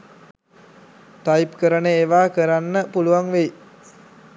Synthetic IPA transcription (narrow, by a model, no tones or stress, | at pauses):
t̪aipkəɾənəeʋaːkəɾanːəpuluʋaŋʋej